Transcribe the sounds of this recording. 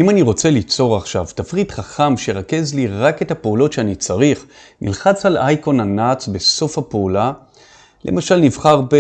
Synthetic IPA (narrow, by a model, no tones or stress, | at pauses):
ʔimaniʁo̞t͡se̞lit͡so̞ʁaχʃavtafʁitχaχamʃejeʁake̞zliʁake̞thapeulo̞tʃeanit͡saʁiχ | nʔḭlχat͡salajko̞nanat͡sbe̞so̞fhapeula | le̞̰maʃalnivχaʁbe